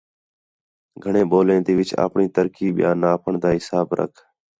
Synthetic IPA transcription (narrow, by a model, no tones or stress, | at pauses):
ɡʱəɳẽːɓoːlẽːd̪iːʋɪt͡ʃa̰ːpɳiːt̪əɾkiːɓɪjãːnaːpʰəɳd̪aːɦɪsaːbɾə̰kʰ